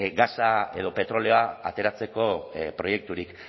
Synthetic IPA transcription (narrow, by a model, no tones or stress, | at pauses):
ɡasae̞ðo̞pe̞t̪ɾo̞leoaa̰t̪e̞ɾat͡se̞ko̞pɾo̞je̞k̚t̪uɾik